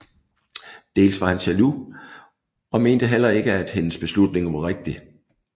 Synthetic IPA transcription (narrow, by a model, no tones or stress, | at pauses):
d̥e̝̰ːlsʋɑ̈hænsælu | ɒ̽me̝ːnd̥əɦelɐe̝ɡ̥əæd̥he̝nəsb̥e̝slud̥ne̝ŋʋɑ̈ʁeɡ̥̚d̥i